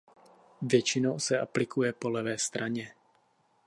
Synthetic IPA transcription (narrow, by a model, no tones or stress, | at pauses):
vjɛt͡ʃɪnowsɛʔaplɪkʰujɛpolɛvɛːst̪ɾʔaɲɛ